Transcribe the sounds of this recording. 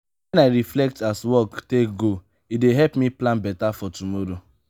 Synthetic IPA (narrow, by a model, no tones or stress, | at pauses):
wɛ̃naɪɹiflɛk̚taswɔktek̚ɡo | ideɦɛpmĩplãnbɛtafɔtumɔɾo